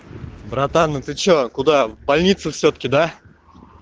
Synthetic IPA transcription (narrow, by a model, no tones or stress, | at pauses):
bɾat̪anət̪ɨt͡ɕokʊd̪abɐlʲnʲit̪sɨfsʲot̪ə̥kʲɪd̪a